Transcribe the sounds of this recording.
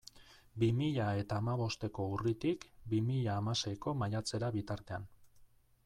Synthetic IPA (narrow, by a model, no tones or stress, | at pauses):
bimiʎae̞t̪aːmaβ̞o̞st̪e̞ko̞urit̪ikbimiʎaːmase̞jko̞majat͡se̞ɾaβit̪aɾt̪e̞an